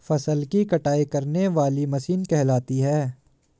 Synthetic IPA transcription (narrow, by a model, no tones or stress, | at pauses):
fɐsəlkikɐʈaːikɐɾneʋaːlimɐsiːnkɛɦlaːt̪iɦɛː